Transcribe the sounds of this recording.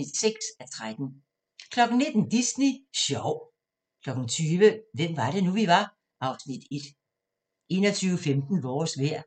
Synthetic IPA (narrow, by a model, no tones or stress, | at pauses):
id̥seɡ̥sæt͡sʰʁad̥n̩ | kʰlɒ̽ɡ̥n̩ne̝d̥n̩d̥isniɕɒʊ̰ | kʰlɒ̽ɡ̥n̩t͡sʰyːʋəʋem̰ʋɑ̈ɾ̥e̝nuʋiʋɑ̈ | ɑ̈ʊsnid̥e̝d̥ | e̝ːnɐt͡sʰyːʊəfemd̥n̩ʋɒːsʋæɐ̰